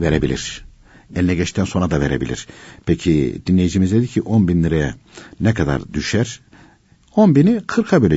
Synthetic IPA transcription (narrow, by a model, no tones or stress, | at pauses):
veɾebilʲiɾ̥ | ɛlʲinɛɟɛt͡ʃt̪ʰænso̞nɾad̪aveɾebilʲḭɾ̥pʰecʰid̪inlʲejid͡ʒimizd̪ed̪icʰiʔo̞nbinlɯɾejɛ | nɛkʰad̪a̰ɾd̪yʃæɾ̥ | o̞nbinikʰɯɾkʰabøjlʲɛ